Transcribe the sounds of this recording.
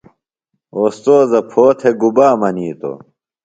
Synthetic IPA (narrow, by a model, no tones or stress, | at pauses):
oːst̪oːzɐpʰoːt̪ʰeɡubaːmɐniːt̪o̰